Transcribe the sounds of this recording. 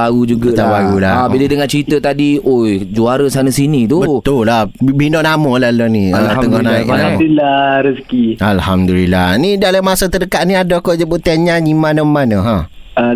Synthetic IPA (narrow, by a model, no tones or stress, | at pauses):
aud͡ʒuɡat̪abaɣulaabilədəŋant͡ʃəɾit̪ət̪adiojd͡ʒuaɾəsanasinĩt̪ubət̪ullahbinɔʔnamolalɔniəŋɔhnaipanailaɾəskialhamdulilanidalamasət̪ədəkaʔniadɔkod͡ʒəbuʔt̪eɲaɲimanəmanəɦãə